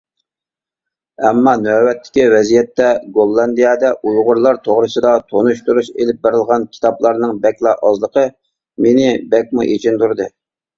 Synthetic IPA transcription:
ɛmːɑnøwɛt̪ʰːɪ̥kʲiwɛzijɛt̪ːɛɡolˠːɑnd̪ijɑd̪ɛʔujʁʊɾlˠɑɾt̪ʰoʁɾɨsɨd̪ɑt̪ʰonuʃt̪uɾuʃelɪp̚beɾɪlˠʁɑnkʲʰi̥t̪ʰɑplˠɑɾnɨŋbɛkʲlˠɑʔɑzlˠəqʰə | menɪbɛk̚ʲmṵʔet͡ʃʰint̪uɾd̪ɨ

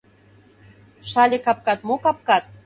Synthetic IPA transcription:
ʃɑlʲekɑp̚kɑt̪mokɑp̚kɑt̪̚

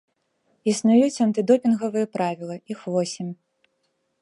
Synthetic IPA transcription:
isnujut͡sʲɐnt̪ɨd̪ɔpʲinɣɐvɨjɛpɾavʲilˠɐixvɔsʲimʲ

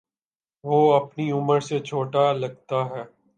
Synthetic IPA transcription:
ʋoːɐpniʊməɾset͡ʃʰoːʈalɐɡ̚t̪aɦɛː

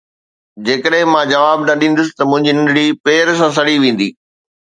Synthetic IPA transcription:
d͡ʑeːkəɗɦɪ̃mãd͡ʑɐʋaːbnɐɗĩːn̆d̪ʊs̬ɪ̥t̪ɐmʊ̃ɦɪ̃ɲd͡ʑinɪ̃nɪɽipeːɾs̬ãs̬ɐɽiʋẽːn̆d̪ḭː

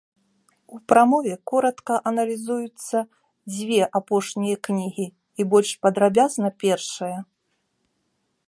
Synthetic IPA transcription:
upɾamɔvʲɛkɔɾɐt̪kɐʔɐnɐlʲizujut̪sːɐ | d͡zʲvʲɛʔapɔʂnʲijɐknʲiɣʲi | ibɔlʲʂpɐd̪ɾabʲaznɐpʲɛrʂɐjɐ

